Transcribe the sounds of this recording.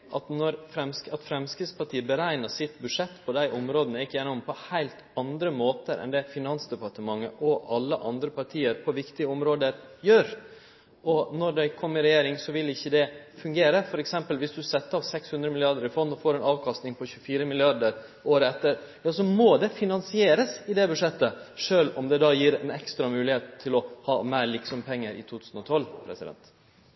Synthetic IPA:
ʔɑt̪nɔɾfɾɛmsɑt̪fɾɛmskɾɪspɑʈʰiːəbəɾæɪnəsɪt̪bʉ̥ʂɛt̪ːpʰɔd̪æɪʔʊmɾoːd̪ənəɪkːəjɛnːɔmpʰɔhæɪlt̪ɑnd̪ɾəmoːt̪əɾʔɛ̰nd̪ɛfɪnɑnsd̪ɛpɑʈ̪əmɑŋːəʔɔɑlːəʔɑnd̪ɾəpʰɑʈʰiːəɾpʰɔʋɪkt̪ɪɡəɔmɾoːd̪əɾjøːɾ | ɔnɔɖ̪æɪkʰɔmːɪɾɛjeːɾɪŋsɔʋɪlɪçːəd̪ɛfʉŋɡeːɾəfɔɾɛksɛmpəlʋɪsd̪ʉsɛt̪ːəɑːʋsɛkshʉnd̪ɾəmɪlɪɑɾd̪əɾɪfɔnːɔfoːɾɛnɑːʋkʰɑst̪nɪŋpʰɔçʉfiːɾəmɪlɪɑɖ̪əɾ | oːɾəɛt̪ːəɾjɑːsɔmɔd̪ɛfɪnɑnsɪeːɾəsɪd̪ɛbʉʂɛt̪ːəʂøːlɔmd̪ɛd̪ɑjiːɾɛnɛkst̪ɾɑmʉːlɪheːt̪ʰːɪlɔhɑːmæɪɭɪksɔmpʰɛŋːəɾʔɪ̰t̪ʰuːt̪ʰʉːsən̩ɔt̪ʰɔlpʰɾɛ̰sɪd̪ɛ̰nt̪

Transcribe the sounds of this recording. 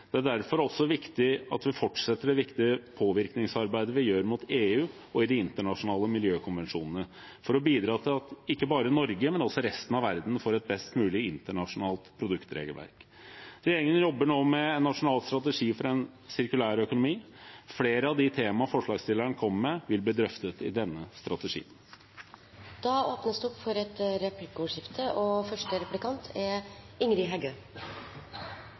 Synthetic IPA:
d̪̥ɛæɖæɾfɔɾɔsːɔʋɪkt̪ɪɑt̪ʋɪfɔʈʂɛt̪ːəɖɛʋɪkt̪ɪəpʰoːʋɪɾknɪŋsɑɾbæɪd̪əʋɪjøːɾmʊt̪ʰeːʉː | ɔɪd̪ɪɪnt̪əɳɑʂʊnɑːləmɪljøːkʰʊnʋɛnʂuːnənə | fɔɾɔbiːd̪ɾɑːt̪ʰɪlɑt̪ɪkːəbɑːɾəɪnɔɾɡəmɛnɔlsɔɾɛst̪nɑʋæɾd̪n̩foːɾɛt̪̚bɛst̪mʉːlɪɪnt̪əɳɑʂʊnɑːlt̪pʰɾʊd̪ʉkt̪ɾḛːɡəlʋæ̰ɾk̪ | eːɾɪŋənjɔbːəɳoːmɛɛnnːɑʂʊnɑːlst̪ɾɑt̪əʂiːfɔɾɛn | sɪɾkʉlæːɾœkʊnʊmiːfleːɾəɑʋd̪ɪt̪ʰeːmɑfɔʂlɑːɡst̪ɪlæɳəkʰɔməmɛʋɪlbliːd̪ɾœft̪ət̪ɪ̰d̪ɛnːəst̪ɾɑt̪ɛʂḭːən | d̪̥ɑːoːpnəsd̪ʉɔpːfɔɾɛt̪ɾɛplɪkuːʂɪft̪ʰəɔfœʂʈəɾɛplɪkɑnt̪ʰɛ | ɪŋɾɪɦæɡøː

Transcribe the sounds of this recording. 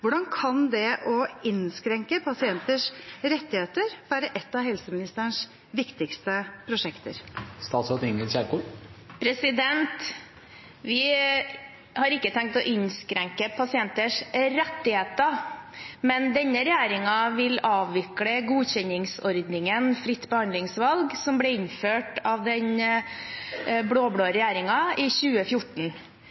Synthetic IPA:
ʋʊɖɑnkʰɑnd̪ɛʔɔɪnskɾɛŋkəpʰɑsɪɛnt̪əʂɾɛt̪ːɪheːt̪əɾʋæːɾəʔɛt̪ːɑʋɦɛlsəmɪnɪst̪əɳʂ | ʋɪkt̪ɪkst̪əpʰɾʊʂɛkt̪ə̰ɾst̪ɑːt̪sɔt̪ɪŋɡəlɕɛɾkuːpʰɾɛsɪd̪ɛnt̪ | ʋɪ | hɑɾɪkːət̪ʰɛŋk̚t̪ɔʔɪnskɾɛŋkəpʰɑsɪɛnt̪əʂɾɛt̪ːɪheːt̪ə | mɛnd̪ɛnːəɾɛjæːɾɪŋɑʋɪlɑːʋʋɪkləɡuːçɛnːɪŋsɔɾd̪nɪŋənfɾɪt̪ːbəhɑnd̪lɪŋsʋɑlɡsɔmblɛɪnːføːʈɑʋd̪ɛn | bɽoːbɽoːɾɛjæːɾɪŋɑʔɪɕʉːəfjʊʈɳ̩

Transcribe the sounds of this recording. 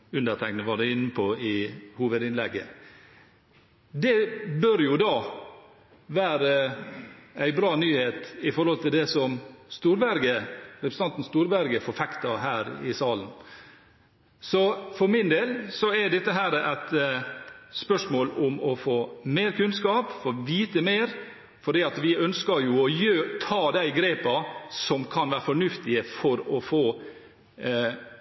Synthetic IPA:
ʉnd̪ət̪ʰæknəʋɑɖ̪ɛɪnːəpʰɔɪhuːʋəd̪ɪnlɛɡːə̰ | d̪ɛbøɾjʊd̪ɑː | ʋæːɾə | æɪbɾɑːnyːheːt̪ɪfɔɾhɔlt̪ɪld̪ɛsɔmst̪uːɾbæɾɡəɾɛpɾsɑnt̪n̩st̪uːɾbæɾɡəfɔɾfɛkt̪ɑɦæːɾɪsɑːlən | sɔfɔɾmɪnd̪eːlsɔɛɖɛt̪ːəɦæːɾəʔæɪt̪ | spœʂmoːlʊmɔfoːmeːɾkʰʉnskɑːpfoːʋiːt̪əmeːɾ | fɔɖiːɑt̪ʋɪœnskəɾjʊɔjøːt̪ʰɑːd̪æɪɡɾeːpɑsɔmkʰɑnʋæːɾəfɔɳʉft̪ɪəfɔɾɔfoː

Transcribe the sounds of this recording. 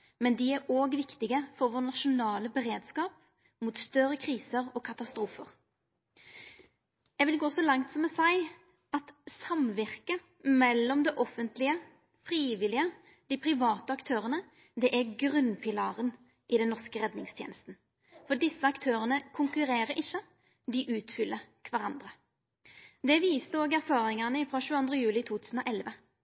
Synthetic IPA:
mɛnd̪ɪæɾoːɡʋɪkt̪ɪɡəfɔɾʋoːnɑʂʊnɑːləbɛɾeːd̪skɑːp | mut̪st̪œɾəkʰʁiːsəɾɔkʰɑt̪ɑst̪ɾuːfəʁ | jæʋɪlɡoːsɔlɑŋt̪sɔmːɛsæɪ | ɑt̪sɑmʋɪʁkə | mɛlːɔmd̪ɛʔɔfənt̪lɪə | fɾiːʋɪlɪə | d̪̥ipʰɾɪʋɑːt̪əɑkt̪ʰøːʁənə | d̪ɛʔæɡʁʉnpʰɪlɑːʁən | ʔɪd̪ɛnːɔʁskəʁɛd̪nɪŋst̪ʰjḛːnəst̪n̩ | fɔɖɪsːəɑkt̪ʰøːʁənəkʰʊŋkʉɾeːɾəɾɪçːə | d̪ɪʔʉːt̪fʏlːəɾkʰʋɑɾɑnd̪ɾə | d̪ɛʋiːst̪əoːɡæɾfɑːɾɪŋɑnəɪfɾɑʃʉːɑnd̪ʁəjʉːlɪt̪ʰuːt̪ʰʉːsən̩ɔːʔɛlʋə

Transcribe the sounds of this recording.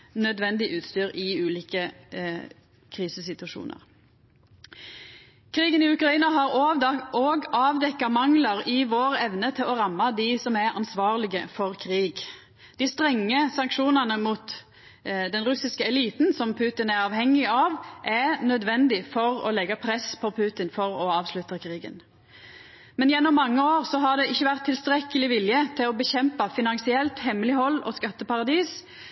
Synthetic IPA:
nœd̪ʋɛnd̪ɪʔʉːt̪st̪yːʁɪʉːliːkə | kʰʁiːsəsɪt̪ʉɑʃṵːnə̰ʁ | kʰʁiːɡənɪʉkʁɑiːnɑɦɑʁoːɡɑːʋd̪ɛkːɑmɑŋlɑʁɪʋoːʁɛʋnət̪ʰɪlɔʁɑmːɑd̪ɪsɔmæʁɑnsʋɑːʁlɪɡəfɔʁkʰʁiːɡ | d̪̥ɪst̪ʁɛŋːəsɑŋkʃuːnənəmuːt̪ | d̪ɛnɾʉsɪskəɛliːt̪nsɔmpʰʉːt̪ɪnæɾɑːʋhɛŋːɪɑʋʔænœd̪ʋɛnd̪ɪfɔɾɔ̰lɛɡɑpʰɾɛspʰɔpʰʉːt̪ɪnfɔɾɔɑːʋslʉt̪əkʰɾiːɡə̰n | mɛnjɛnːɔmːɑŋːəoːʁsɔɦɑd̪ɛɪçːəʋæʁt̪ʰːɪlst̪ɾɛkːəlɪʋɪljət̪ʰɪlɔbəçɛmpɑfɪnɑŋsɪɛlt̪hɛmːəlɪhɔlːɔ̰skɑt̪ːəpɑʁɑd̪iːs

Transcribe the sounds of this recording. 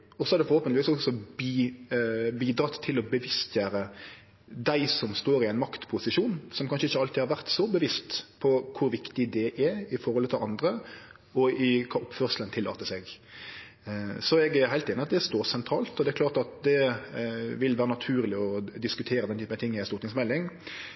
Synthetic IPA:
ɔsɔæʁd̪ɛfɔɾhoːpənlɪʋiːsɔksɔbi | biːd̪ɾɑːt̪ʰːɪlɔbəʋɪst̪ʰjæːɾə | d̪æɪsɔmst̪oːɾɪæɪnmɑkt̪pʰʊsɪʂuːnsɔmkʰɑnʂəɪçːəɑlt̪ɪhɑɾʋæʁt̪sɔbəʋɪst̪pʰɔkʰʊɾʋɪkt̪ɪd̪ɛʔæɾɪfɔɾɔlt̪ʰɪlɑnd̪ɾə | ɔɪkʰɑːʔɔpføːʁʂlənt̪ʰɪlːɑ̰ːt̪əsɛɡ | sɔɛɡæɦæɪt̪eːnəɑt̪d̪ɛst̪oːɾsɛnt̪ʰɾɑːlt̪ɔd̪ɛæɾkʰlɑːʁt̪ɑt̪d̪ɛ | ʋɪlʋæːɾənɑt̪ʰʉːɾlɪɔd̪ɪskʉt̪ʰeːɾəd̪ɛnt̪yːənt̪ɪŋːæstuːɾt̪ɪŋsmɛlːɪŋ

